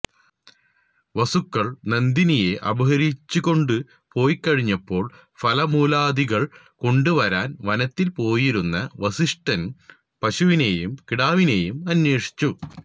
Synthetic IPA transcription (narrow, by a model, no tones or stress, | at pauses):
ʋɐsukːɐɭnend̪inije̞ʔɐbɐɦɐɾit͡ɕːuɣo̞ɳɖɨ | po̞ːjkːɐɻiɲːɐpːo̞ːɭ | fʰɐlɐmuːlaːd̪iɣɐɭ | ko̞ɳɖɨʋɐɾaːnʋɐnɐt̪ːilpo̞ːjiɾunːɐʋɐsiʂʈɐn | pɐɕuʋinejumkiɽaːʋine̞ːjumɐnːe̞ːʂi̥t͡ɕːu